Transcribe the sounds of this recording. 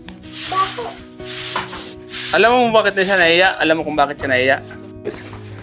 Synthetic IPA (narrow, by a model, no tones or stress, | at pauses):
alːamamumbakit̪naʃ̬anajijaʔa̰lamakumbakit͡ʃanajija